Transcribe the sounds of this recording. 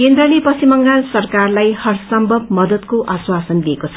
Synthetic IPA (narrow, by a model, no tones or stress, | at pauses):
kend̪rʌlepʌsimʌŋɡansʌrkarlajhʌrsʌmbʱʌb̚mʌd̪ʌt̪koʔaswasʌnliekot͡sʰʌ̥